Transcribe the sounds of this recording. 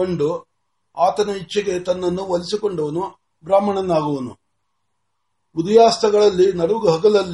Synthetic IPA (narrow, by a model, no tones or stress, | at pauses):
oɳɖu | aːt̪ɐnɐit͡ʃːɐɡe̞t̪ɐnːɐnːuʋɐlisiko̞ɳɖuʋɐnu | bɾaːmɐɳɐnːaːɡuʋɐnṵ | ud̪ɐjaːst̪ɐɡɐɭɐlːinɐɾuɡɐɦɐɡɐlɐlː